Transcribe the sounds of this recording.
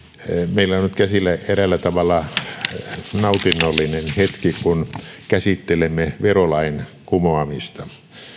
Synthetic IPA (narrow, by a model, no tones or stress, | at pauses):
meilːæonnyt̪kæsilːæerælːæt̪ɑʋɑlːɑ | nɑut̪inːolːinenhet̪kikunkæsit̪ːelemːeʋerolɑinkumoɑmist̪ɑ